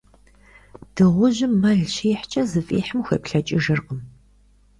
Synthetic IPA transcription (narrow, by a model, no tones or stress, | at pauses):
d̥ɨʁʷʊʑɪmːɐɮɕeːħt͡ʃʼɐzɨfʼḭːħəmxɐ̰ːpɬɐt͡ʃʼɪʒɨrqəm